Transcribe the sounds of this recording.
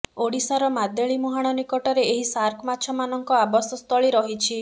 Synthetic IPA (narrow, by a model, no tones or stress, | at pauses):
oɽisaɾɔmad̪eɭimuɦaɽ̃ɔnikɔʈɔɾeeɦisaɾkʰɔmat͡ʃʰɔmanɔŋkɔabɔsɔst̪ʰɔɭiɾɔɦit͡ʃʰi